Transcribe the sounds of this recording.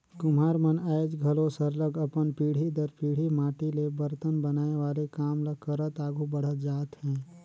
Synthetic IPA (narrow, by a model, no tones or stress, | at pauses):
kʊmaːɾmənəed͡ʒɡʱəlosəɾləɡəpənpiːɽ̤id̪əɾpiːɽ̤imaːʈilebəɾt̪ənbənaːeʋaːlekaːmləkəɾət̪aːɡʱubəɽ̤ət̪d͡ʒaːt̪hɛ̃ː